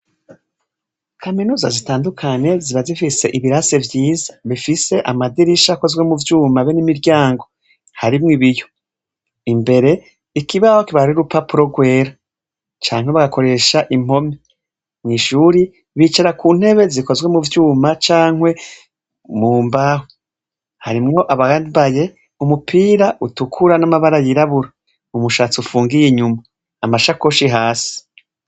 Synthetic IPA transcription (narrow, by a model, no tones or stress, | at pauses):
kʰaminuːzazitaːndukʰaɲe̞ziβazifise̞ʔiβiɾase̞vjiːzḁβifise̞ʔamadiɾiʃako̞zɡwe̞muvjuːmaβenimiɾɟaːŋɡo̞ | haɾimŋiβijo̞ | imbe̞ɾe̞ | ikiβahokiβaɾɾiɾupapuɾo̞ɡwe̞ːɾa | t͡ʃaːŋ̥we̞βaɡako̞ɾe̞ʃaʔim̥ho̞me | nŋiʃuːɾi | βiːt͡ʃaɾakuːn̥he̞βe̞ziko̞zɡwe̞muvjuːmat͡ʃaːŋwe̞ | muːmbaho | haɾimŋo̞ʔaβabaje̞ | umupiːɾaʔutukʰuɾanamaβaɾajiɾaβuɾa | umuʃaːt͡siufuːŋɡijiɲumaː | maʃakoʃiɦaːsi̥